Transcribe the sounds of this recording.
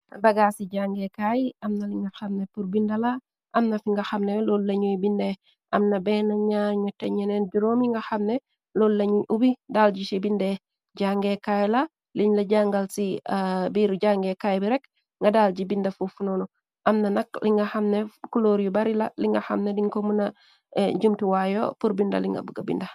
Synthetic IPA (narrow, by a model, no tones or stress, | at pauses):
bɐɡasiɟaŋɡɛkajɐmnɐliŋɡɐxɐmnepuɾbindɐla | ʔɐmnɐfiŋɡɐxɐmnɛlollɐɲujbindɛ | ʔɐmnɐbɛnaɲaɲatɐɲɛnɛnɟuɾoːmiŋɡɐxɐmne | lollɐɲuubidaːlɟisibindɛ | ɟaŋɡekajla | liɲlɐɟaŋɡalsibiːɾɟaŋɡɛkajbiɾɛk | ŋɡadaːld͡ʒibindafufunɔnu | ʔamnanakliŋɡaxamnɛkuloɾjubaɾila̰liŋɡaxamnɛdiɲkomuna | d͡ʒumtuwajɔ̰puɾbindɐ̰liŋɡa̰buɡabḭnda